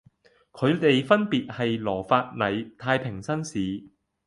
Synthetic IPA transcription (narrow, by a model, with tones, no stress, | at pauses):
kʰɵ˨˧ɥt̪e˨jfɐ˥npiː˨t̚hɐ˨jlɔː˨˩faː˧t̚nɐ˨˩jt̪ʰaː˧jpʰɪ˨˩ŋsɐ˥nsiː˨˥